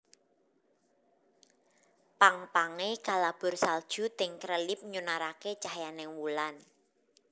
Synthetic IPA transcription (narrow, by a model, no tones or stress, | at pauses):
paŋpaŋeɡ̥a̤lab̥ʊ̤rsald̥ʒ̥ṳt̪ɪŋkɾəlɪp̚ɲunaɾaket͡ʃahjanɪŋwulan